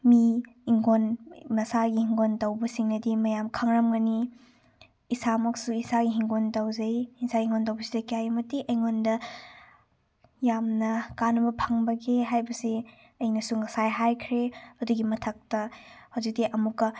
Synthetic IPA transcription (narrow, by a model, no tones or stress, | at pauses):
miiŋɡonmɐsaɡihiŋɡontɐwbɐsiŋnɐdimɐjamkʰɐŋɾɐmɡɐni | isamɐksuisaɡiɦiŋɡontɐwzɐjisaɡiiŋontɐwbɐsidɐkijajmɐtiʔɐjŋondɐ | jamnɐkanɐbɐpʰɐŋbɐɡeɦajbɐsi | ɐjnɐsuŋɐsajɦajkʰɾeɐduɡimɐtʰɐk̚tɐhɐwzik̚diʔɐmukːɐ